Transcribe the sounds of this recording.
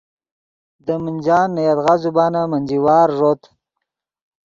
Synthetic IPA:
d̪əmənʲd͡ʒɑːnːəjat̪ɣazubɑːnamanʲd͡ʒiwɑːɾʐot̪

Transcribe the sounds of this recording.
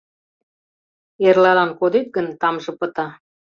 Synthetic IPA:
erlɑlɑnkod̪et̪̚ɡənt̪ɑmʒɤ̆pət̪ɑ

